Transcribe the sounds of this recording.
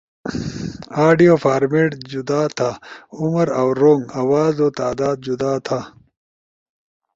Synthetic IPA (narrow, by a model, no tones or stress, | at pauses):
aːɖijoːfaːɾmeʈd͡ʑud̪aːt̪ʰaʊməɾawɾoŋɡawaːzoːt̪aːd̪aːd̪̚d͡ʒud̪aːt̪ʰa